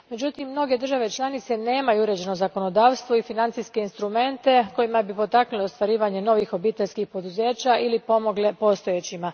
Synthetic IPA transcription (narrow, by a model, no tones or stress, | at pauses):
me̞d͡ʑut̪imːno̞ɡe̞d̪r̩ʒaʋe̞t͡ʃlˠanit̪se̞ne̞ːmajuuɾe̞d͡ʑe̞no̞zako̞no̞d̪aːʋst̪ʋo̞ifinant̪iske̞inst̪ɾume̞nt̪e̞ko̞jimabipo̞t̪aknulost̪ʋaɾiːʋaɲe̞no̞ʋixo̞biːt̪eʎʲskixpo̞d̪uze̞ːt͡ɕaʔilipo̞mo̞ɡle̞po̞st̪o̞jet͡ɕima